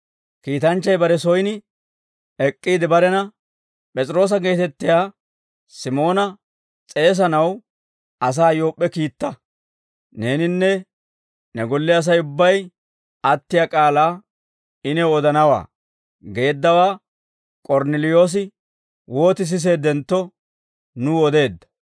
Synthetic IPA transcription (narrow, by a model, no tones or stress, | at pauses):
kiːt̪ɐnt͡ʃːɐjbɐɾɛsɔjnɪ | ɛkʼːiːd̪ɪbɐɾɛnɐ | pʼɛt͡sʼɪɾo̞ːs̬ɐɡe̞ːt̪ɛt̪ːɪjaː | sɪmo̞ːnɐ | t͡sʼe̞ːs̬ɐnɐw | ɐs̬aːjo̞ːpʼːɛkiːt̪ːɐ | ne̞ːnɪnːɛ | nɛɡɔlːɪɐs̬ɐjʊbːɐj | ɐt̪ːɪjakʼaːlaː | ɪnɛɔd̪ɐnɐwa̰ː | ɡe̞ːd̪ːɐwaː | kʼɔɾnɛlɪjo̞ːs̬ɪ | wo̞ːt̪ɪs̬ɪs̬e̞ːd̪ɛnt̪ːɔ | nʊɔd̪e̞ːd̪ːɐ̥